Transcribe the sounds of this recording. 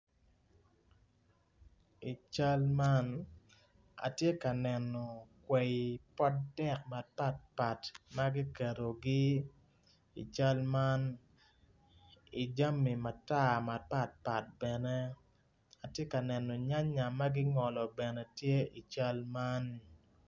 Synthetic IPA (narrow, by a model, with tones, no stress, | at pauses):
i˨t͡ʃa˦lma˦n | a̰˨tje˦ka˨nɛ˨nɔ˨kwe˨i˨pɔ˦tdɛ˦k̚ma˨pa˦t̚pa˨tma˦ɡi˦kɛ˨ɾo˨ɡi˦ | ḭ˨t͡ʃa˦lma˦n | i˨d͡ʒa˦mi˨ma˨ta˦˨ma˨pa˦t̚pa˨t̚b̥ɛ˨nɛ˦ | a˨tje˦ka˨nɛ˨nɔ˨ɲa˦ɲa˨ma˦ɡɪ˦ŋɔ˨lɔ˨bɛ˨nɛ˨tje˦i˨t͡ʃa˦lma˦n